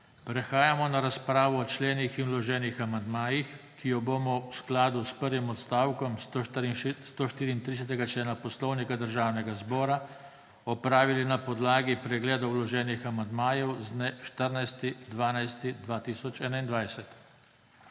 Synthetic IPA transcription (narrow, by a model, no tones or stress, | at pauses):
pɾɛxaːjamɔnaɾaspɾaːʋɔːt͡ʃlɛːnixinwlɔʒɛːnixamand̪maːjix | kijɔbomɔwsklaːd̪uspəɾʋimɔt̪st̪aːwkɔm | st̪oʃt̪iːɾiːnt̪ɾis̬ɛt̪ɛɡat͡ʃlɛːnapɔslɔwnikad̪əɾʒaːwnɛɡazbɔːɾa | ɔpɾaːʋilinapɔd̪laːɡipɾɛɡlɛːd̪ɔwlɔʒɛːnixamand̪maːjɛwznɛʃt̪əɾnajst̪id̪ʋaːnajst̪id̪ʋaːt̪isɔt͡ʃɛːnaind̪ʋajsɛt̪